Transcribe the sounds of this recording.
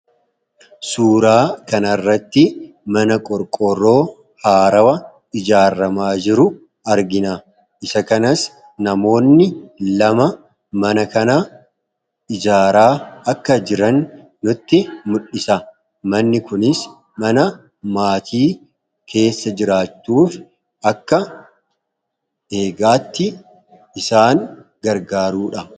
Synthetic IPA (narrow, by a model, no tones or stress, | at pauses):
suːɾaːkɐnɐrːɐt̪ːɪ | mɐnɐkʼɔɾkʼɔrːo̞ː | haːɾɐwɐ | ɪd͡ʒaːɾːɐmaːd͡ʒɪɾʊ | ɐɾɡɪna | ʔɪsɐkɐnɐs | nɐmo̞ːnːɪlɐmɐ | mɐnɐkɐnɐ | ɪd͡ʒaːɾaːɐkːɐd͡ʒɪɾɐnː | ʊt̪ːɪmʊᶑːɪsɐ | mɐnːɪkʊnɪs | mɐnɐ | maːt̪ʰiː | kʰe̞ːsːɐd͡ʒɪɾaːt͡ʃːuːf | ɐkːɐ | e̞ːɡaːt̪ːɪ | ɪsaːŋɡɐɾɡaːɾuːᶑɐ